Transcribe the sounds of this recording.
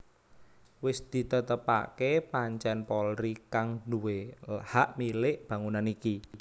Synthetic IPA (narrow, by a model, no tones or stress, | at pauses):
wɪsd̪̥i̤t̪ət̪əpa̰kepaɲt͡ʃɛnpɔlɾikaŋɖuwehaʔmilɪʔb̥ä̤ŋunaniki